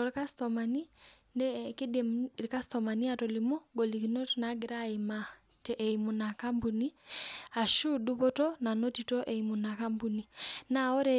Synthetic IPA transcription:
ɔɾka˦stɔma˨ni˦nɛke˦de˨mɾka˦stɔma˨ni˦a˨tɔ˨limɔ˦ɡɔ˨li˨ki˨nɔ˦tna˨˦ɡɪ˨ɾa˦ima | tɛʔɛimu˨na˨ka˦mbu˨ni˦a˨ʃu˦du˦βɔ˦tɔ˦na˨nɔ˦ti˨tɔ˦ʔɛ˨imu˨na˨ka˦mbu˨ni˨na˨ɔ˦ɾɛ

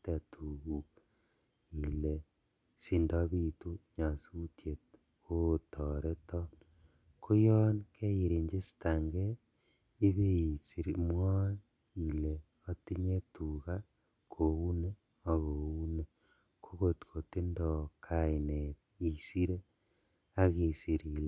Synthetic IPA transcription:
te˨tʰu˨ɣu | ile | sindo˦βitu˦ɲa˨sutʰje | otoɾe˦to | kʰo˦jo˦nkʰe˦ji˨ɾe˨ɲd͡ʒe˦si̥taŋɡe | i˦βe˦i˨siɾimwo˦ | ile | o˦ti˦ɲe˦tuɣa | kʰo˨u˦ne | o˨ɣou˦ne | koɣoti̥ko˨ti˦ndokʰaine | i˨si˦ɾe˦ | a˦ɣi˨si˨ɾil

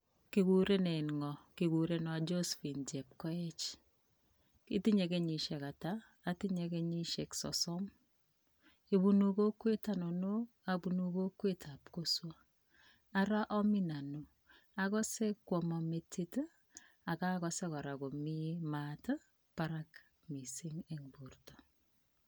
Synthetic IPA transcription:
ki˨ku˨ɾe˦ne˨i˨nŋɔ˨ki˨ku˨ɾe˦nwa˨d͡ʒo˦sfi˨nd͡ʒɛ˨p̚kɔ˦ɛ˦t͡ʃ | ki˦ti˦ɲe˨ke˦ɲi˨ʃe˨ka˨taː˦ | ti˦ɲe˨ke˦ɲi˦ʃe˨ksɔ̰˨sɔ˦m | e˨βu˦nu˨ko˦kwe˦ta˦nono˦ | abu˨nuko˦kːwe˦tʰapkoswa˦ | a˦ɾa˦ʔɔ˦mi˦na˨no | a˨kɔ˦sɛ˦kːwɔ˨ma˨me˨tʰit | a˨ka˦kɔsɛ˦kɔ˨ɾako˨mimata˦ | paɾak | mi˨siŋeŋbu˨rtɔ

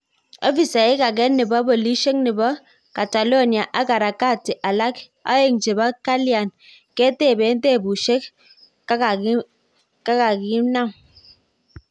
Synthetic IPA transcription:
ɔ˦fi˨sa˨ɪ˦ka˨k̬ɛ˦nːɪ˨bɔ˦bɔ˨li˦ʃe˦k̚nɪ˨bɔ˦ | ka˨ta˨lo˦˨ni˨a˨ʔa˦ka˨ɾa˨ka˦˨ti˨ʔa˨la˦k | a̰˦je˦˨ŋt͡ʃe˨ba˦ka˦li˦a˨n | ke˦te˦˨be˨˦n˦te˦˨bu˨ʃe˦k | a˦˨ | ka˦ka˨ki˦na˦m

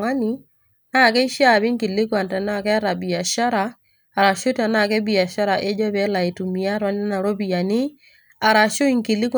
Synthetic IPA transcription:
ŋa˦ni˨ | na˦˨kɛ˦i˦ʃa˦˨βi˦ŋ˦ki˨lɪ˦kwa˨ntɛ˨na˦˨kɛ˦a˦ɾa˨bi˨a˨ʃa˦ɾaː˨ | ɾa˨ʃu˦ta˨na˦˨kɛ˦bi˨a˨ʃa˦ɾa˨ʔe˦d͡ʒɔ˦βɛ˦la˨e˨tu˨mi˨a˦ɾwa˦nɪ˦na˨ɾɔ˦βi˨a˨nɪ˦ | a˨ɾa˨ʃo˦i˨ŋki˨lɪ˦kw

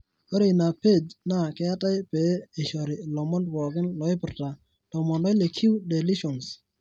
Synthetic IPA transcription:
ɔ˦ɾe˨na˨pe˦˨d͡ʒna˦˨ke˦a˦ta˦jpe˨˦e˨ʃɔ˨ɾɪ˨lɔ˨mɔ˦ndwɔ˨ɡɪ˦nlɔ˨ɪ˦pɪ˨rta˨ | dɔ˨mɔ˨nlɔ˦jle˨kʰi˦wde˨li˦ʃɔ˨ns

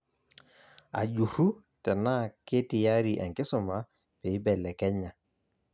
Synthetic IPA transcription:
a̰˨ʄu˨ɾu˦ | tɛ˨na˦kɪ˦tɪ˨ja˦ɾi˨ʔɛ˨ŋkɪ˦sɔ˨ma˨ | pe˨ɪ˦bɛ˨lɛ˨kɛ˦ɲa˨

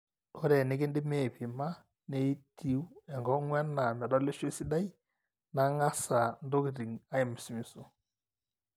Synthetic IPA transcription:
o˦ɾɛ˨nɪ˨˦ɡɪ˦ndɪ˦me˦˨pɪ˨ma˦ | ne˦i˦ti˦wu˦ɛ˨ŋɡɔ˦ŋwɛ˦nːa˨mɛ˨dɔ˦lɪ˦ʃe˦si˦da˦i˦ | na˦ŋa˦sa˨ndo˦ki˨ti˨ŋa˦ɪ˨mɪ˨si˨˦mi˨so˦˨

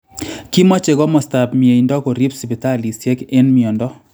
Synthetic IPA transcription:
ki˦mɔ˦t͡ʃe˨ɡɔ˦mɔ˨sta˨pm˨e˨i˨ndɔ˦ko˨ɾi˦psi˨bi˨ta˦˨li˨sje˦ke˦nmi˨ɔ˨ndɔ˦

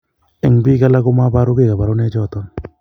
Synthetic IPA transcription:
ɛ˨ŋbi˦ka˦la˦kʊ˦ma˦ba˦ɾʊ˦ɡe˦˨ka˨ba˨ɾʊ˦nɛ˦d͡ʒɔ˦˨t̪ɔ˦n

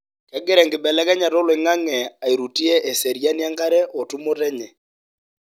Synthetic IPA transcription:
kɛ˨˦ɡɪ˦ɾɛ˨ŋɡɪ˨bɛ˨lɛ˦kɛ˦ɲa˨ɾɔ˦lɪ˨ŋa˦ŋɛ˨a˨i˨ɾu˨ti˦ɛ˦ʔɛ˨sɛ˨ɾja˦nja˦ŋka˦ɾɛ˦ʔɔ˨tu˦mo˦tɛ˦ɲɛ˨

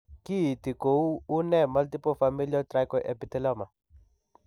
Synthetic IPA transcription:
ki˦˨ti˨ko˨uː˦nɛ˦˨ma˦lti˦pɔ˦fa˨mi˦li˦ɔ˦tɾa˦jkɔ˨ʔɛ̰˨pi˨˦tɛ˦lɔ˦ma˨

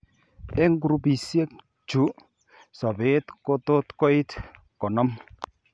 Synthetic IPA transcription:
ɛ˦ŋɡu˨ɾu˨bi˨sje˦k̚ | t͡ʃu˨˦ | sɔ˨be˦tko˦to˦tkɔ˦ɪ˦t | kɔ˨nɔ˦m

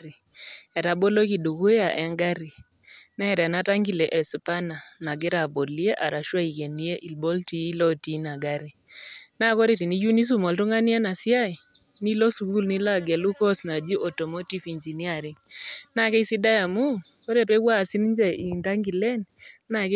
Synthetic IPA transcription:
ɾi˨ | ɛ˨ɾa˨bɔ˦lo˦ki˨du˨ku˦a˨ʔɛ˨˦ŋɡa˦ɾi˨ | nɛ˦˨ɾa˨na˦ta˦ŋɡi˨lɛ˨ʔɛ˨su˨pa˦na˨na˨ɡɛ˦ɾa˨bo˨li˦e˦ʔa˨ɾa˨ʃwa˦i˨ke˨ni˦e˦ʔi˨lbɔ˦lti˦lɔ˦ti˨˦na˨ɡa˦ɾi˨ | na˦kɔ˦ɾe˨ti˨ni˦ju˦ni˦s̬u˦mɔ˨ltu˦ŋa˦ni˦a˦na˨sja˦i˨ | ni˦lɔ˦su˨ɡu˦lni˦la˦˨ɡɛ˨lu˦kɔ˦sna˨d͡ʒi˦ʔɔ˨tɔ˨mɔ˦ti˦fi˨nd͡ʒi˨ni˦a˨ɾi˨ŋna˦˨kɛ˦i˦si˦da˦ja˨mu˦ | kɔ˦ɾe˦˨pɛ˦wa˦˨si˦n˦ɲd͡ʒɛ˦i˨nta˦ŋɡi˨lɛ˦nna˨k

